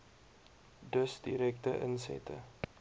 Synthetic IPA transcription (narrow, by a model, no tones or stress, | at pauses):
dəsdiɾɛk̚təʔənsɛ̰tʰə̰